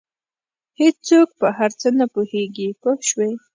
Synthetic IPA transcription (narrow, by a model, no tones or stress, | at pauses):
het͡sok̚pəɦaɾt͡sənapuheɡipohʃwej